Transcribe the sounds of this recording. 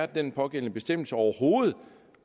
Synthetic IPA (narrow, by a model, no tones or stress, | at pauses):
ɐd̥enpʰɒ̽ɡ̥en̰nəb̥e̝sd̥em̰l̩səɒʊɐho̝ːð̩ˠ